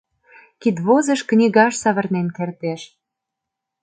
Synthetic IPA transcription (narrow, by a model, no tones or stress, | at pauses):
kid̪βozə̆ʃknʲiɣɑʃsɑβə̆rnenkert̪eʃ